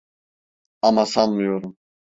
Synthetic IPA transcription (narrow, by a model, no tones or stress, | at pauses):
amasanmɯjo̞ɾum